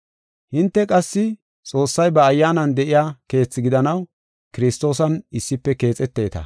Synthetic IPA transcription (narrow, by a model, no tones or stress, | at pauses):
hɪnt̪ːɛkʼɐsːɪ | t͡sʼo̞ːsːɐjbɐːjːaːnɐnd̪ɛʔɪjaːke̞ːt͡sːɪɡɪd̪ɐnɐw | kɪɾɪst̪o̞ːsɐnɪsːɪpːɛke̞ːt͡sʼɛt̪ːe̞ːt̪ɐ̰